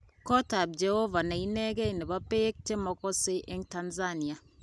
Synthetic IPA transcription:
kɔ˦ta˨b̚d͡ʒɛ˨ho˦va˨na˨i˦nɛ˦ɡɛ˦i˨ne˨ba˦pe˦k̚t͡ʃe˦mɔ˦kɔ˦se˦ʔe˦ŋta˦nza˦ni˨a˨

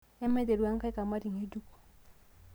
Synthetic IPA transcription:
ɛ˦mɛ˦de˨ɾwa˦ŋ˦ka˦i˦ka˨ma˦ɾi˨ŋe˦d͡ʒu˦ku̥˨

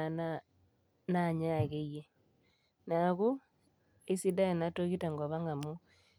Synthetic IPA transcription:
a˨na | na˦˨ɲa˦˨ɣe˦ie˦ | na˨ɣu˦ | e˦si˦da˦e˨na˨˦to˦ɣi˦ta˨ŋɡɔ˨βa˦ŋɡa˨mo˦

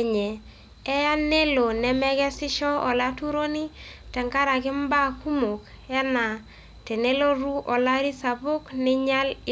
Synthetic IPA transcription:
ɲɛ˨ | ɛ˦ja˦ne˦lo˨nɛ˨mɛ˦kɛ˦sɪ˦ʃɔ˦ʔɔ˨la˦tu˦ɾo˦ni˦tɛ˨ŋka˦ɾa˨kɪ˦mba˦˨ku˦mo˨k | ɛ˦na˨ | tɛ˨ne˦lo˦ɾu˦ʔɔ˨la˦ɾi˦sa˨bʊ˦knɪ˦ɲa˦l

